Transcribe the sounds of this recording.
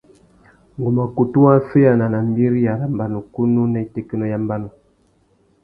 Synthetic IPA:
ŋ˨ɡu˨ma˨ku˨tu˦wa˦fe˦ja˨na˨na˨m˦bi˦ɾi˦ja˨ɾa˨m˨ba˨nu˨ku˦nu˦nɛ˦te˦˨ki˦nɔ˦ja˦mba˦nu˨

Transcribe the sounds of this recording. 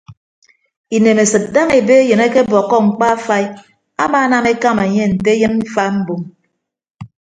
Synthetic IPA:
i˨ne˨me˨sɨ˨t̚da˦ŋe˨be˦je˨ne˦ke˦bɔ˨kːɔ˦ŋ͡m̩˨k͡pa˦fa˦i˦ | a˦maː˦na˦me˦ka˦me˨ɲe˦n̩˨te˦jɨ˦nm̩˦fa˦m̩˦bu˨m

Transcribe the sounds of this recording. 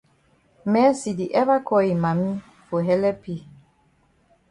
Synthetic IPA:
mɛ˨˦si˨di˨ʔɛ˦βa˦kɔ˦i˨ma˨mi˦ | fo˨ɦɛ˦lɛ˦pi˦˨

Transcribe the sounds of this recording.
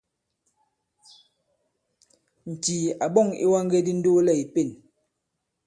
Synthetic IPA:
n̩˨tiː˨a˨ɓɔ˦˨ŋḭ˦wa˦ŋ˦ɡe˦di˦n̩˦do˦lɛ˦˨i˨pe˦˨n

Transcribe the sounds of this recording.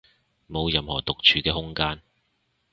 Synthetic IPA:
mo˨˧wjɐ˨mhɔː˨˩t̪ʊ˨k̚t͡ʃʰyː˨˧kɛː˧ɦʊ˥ŋkaː˥n

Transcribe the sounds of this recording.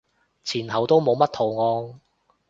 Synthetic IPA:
t͡sʰiː˨˩nɦɐ˨˩wt̪o˥wmo˨˧wmɐ˥t̪̚ʰo˨˩wŋɔː˨˧ŋ

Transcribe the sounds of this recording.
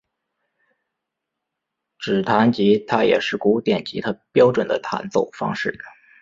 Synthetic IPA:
ʈ͡ʂɻ̩˨˩t̪ʰa˧˥nt͡ɕi˧˥t̪ʰa˥jɛ̰˨˩ʂɻ̩˥˩ku˧˥˧t̪jɛ˨˩nt͡ɕḭ˧˥t̪ʰa˥pjɑ˥ʊʈ͡ʂwə˨˩nd̪ə̰˦t̪ʰa̰˧˥nt͡so˨˩ʊfɑ̰˥ŋʂɻ̩˥˩

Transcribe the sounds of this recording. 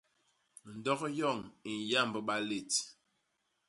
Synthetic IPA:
n̩˨dɔ˦kjɔ˦˨ŋi˨n˨ja˦˨mbə˨ɓa˦le˨t

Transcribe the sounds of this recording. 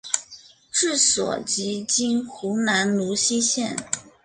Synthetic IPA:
ʈ͡ʂɻ̩˥˩swɔ̰˨˩t͡ɕi˧˥t͡ɕi˥nxu˧˥na˧˥nnu˧˥ɕi˥ɕjɛ˥˩n

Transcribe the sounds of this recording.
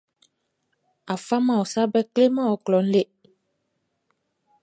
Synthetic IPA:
a˨fa˦mã˨ɔ˨sa˦bɛ˦kle˦mã˦ɔ˨klɔ˨˦n̩˦le˦

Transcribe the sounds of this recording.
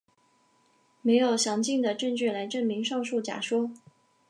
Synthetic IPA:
me˧˥ɪjo˨˩ʊɕjɑ˧˥ŋt͡ɕi˥˩ŋd̪ə˩ʈ͡ʂə˥˧ŋt͡ɕy˥˩la˧˥ɪʈ͡ʂə˥˩nmi˧˥ŋʂɑ˥˧ŋʂu˥˩t͡ɕja̰˨˩ʂwɔ˥

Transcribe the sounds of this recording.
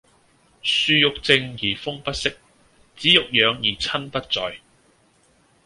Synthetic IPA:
syː˧jʊ˨k̚t͡sɪ˧ŋjiː˨˩fʊ˥ŋpɐ˥t̚sɪ˥k̚ | t͡siː˨˥jʊ˨k̚jœː˨˧ŋjiː˨˩t͡sʰɐ˥npɐ˥t̚t͡sɔː˨j

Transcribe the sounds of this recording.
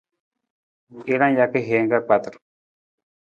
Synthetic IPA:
e˦ɾã˦ja˦ke˦ɦe˨˦ŋɡa˦k͡pa˦t̪ɾo̥˨

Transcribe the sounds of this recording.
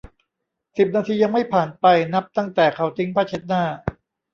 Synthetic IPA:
si˨˩p̚naː˧t̪ʰiː˧ja˧ŋma˥˩jpʰaː˨˩npa˧jna˦˥p̚t̪a˥˩ŋt̪ɛː˨˩kʰa˨˩˦wt̪ʰi˦˥ŋpʰaː˥˩t͡ɕʰe˦˥t̪̚naː˥˩

